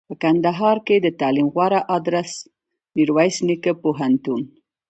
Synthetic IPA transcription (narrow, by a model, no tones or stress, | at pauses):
pəkand̪aɦɑɾked̪ət̪ɑlimɣwaɾaʔɑd̪ɾas | niɾwajsnikəpoɦant̪un